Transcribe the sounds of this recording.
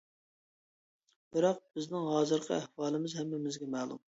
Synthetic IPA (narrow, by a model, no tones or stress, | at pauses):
b̥ɪɾɑq̚bɪznɪŋɦɑːzɨɾqʰɑ̰æhwɑːlˠɪmɪzhɛmɪmɪzɡʲɛmɛːlˠṵm